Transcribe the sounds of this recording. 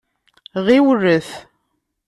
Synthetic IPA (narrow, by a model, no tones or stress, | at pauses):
ʁiwərːəθ